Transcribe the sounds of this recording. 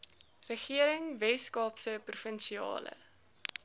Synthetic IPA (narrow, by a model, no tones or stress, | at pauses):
rəχiəɾəŋvɛskɑːpsəprufənsiɑ̰ːlə̰